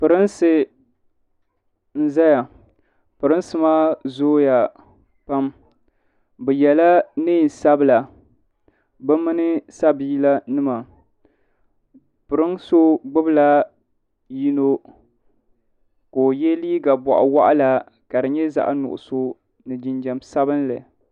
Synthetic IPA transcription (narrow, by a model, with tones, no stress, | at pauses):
pɨ˨ɾɨ˦nsɨ˦ | n̩˦za˦ja˨ | pɨ˨ɾɨ˦nsɨ˦ma˦zoː˦ja˨ | pa˦m | bɛ˨jɛ˨la˦nɨː˦˨sa˦bɨ˨la˨ | bɨ˦mɨ˦nɨ˦sa˦biː˦la˦nɨ˦ma˨ | pɨ˨ɾɨ˦ŋso˦ɡ͡bɨ˦bla˦ | ji˦no˦ | koː˨jɛ˦liː˦ɡa˨bɔ˨ʔa̰˨wa˦ʔa˦la˨ | ka˨dɨ˨ɲɛ˦za̰˦ʔnʊ̰˨ʔʊ̰˨so˦ | nɨ˨d͡ʒɪ˨nd͡ʒɛ˨msa˦βɨ˦nlɨ˨